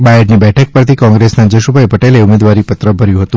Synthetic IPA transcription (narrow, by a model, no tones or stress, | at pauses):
bajəɖnibɛʈʰək̚pəɾt̪ʰikɔ̃ŋɡɾesnad͡ʒəʃubʱajpəʈeleumed̪ʋaɾipət̪ɾəbʱəɾjũɦət̪ũ